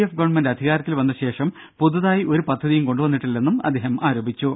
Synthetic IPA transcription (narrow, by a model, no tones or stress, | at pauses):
ɐfɡɐʋɐɳmɐndeɐd̪ʱiɣaːɾɐt̪ːilʋɐnːɐɕe̞ːʂɐm | pud̪ɐðaːjiʔo̞ɾupɐd̪ʱːɐðijumko̞ɳɖuʋɐnːiʈːilːe̞nːumɐ̰d̪ʱːeːɦɐmʔaːɾoːbit͡ɕːu